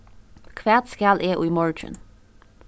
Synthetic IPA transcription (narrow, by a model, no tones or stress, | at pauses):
kʰʋæːd̪̥skælʔeːʔuːmɔɹtʰɹə̰n